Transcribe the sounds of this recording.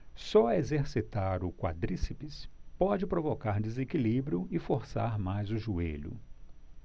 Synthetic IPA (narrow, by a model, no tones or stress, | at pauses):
sɔɐezeɾsit̪aɾʊkwa̰d̪ɾisipispɔd͡ʒɪpɾovokaɾd̪ezekilibɾiʊɪfoɾsaɾmajzʊʒuḛʎʊ̰